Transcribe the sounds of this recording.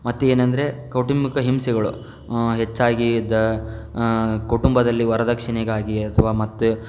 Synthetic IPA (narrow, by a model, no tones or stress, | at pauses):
mɐt̪ːeeːnɐnd̪ɐɾe̞kɐwʈimikɐɦimsɛɡɐɭṵ | ɦet͡ʃːaːɡid̪ɐ | kuʈumbɐd̪ɐlːiʋɐɾɐd̪ɐkʂiɳeɡaːɡiɐt̪ʰɐʋaːmɐt̪ːu